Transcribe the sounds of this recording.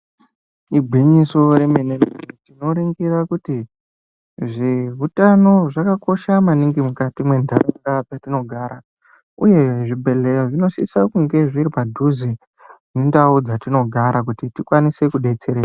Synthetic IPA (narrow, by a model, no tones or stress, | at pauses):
ibʱwiɲiso̞ɾe̞menementino̞ɾiŋɡirakuti | ʐeɦutano̞ʐakako̞ʃamaniŋɡimukatimwe̞ndʱaraŋɡapatino̞ɡʱaɾa | uje̞ʐibʱe̞le̞joʐino̞sḭsakuŋɡe̞ʐirwadʱuzi | indaud͡zatino̞ɡʱaɾak̬utitikwanise̞kuɗe̞t͡se̞ɾeːa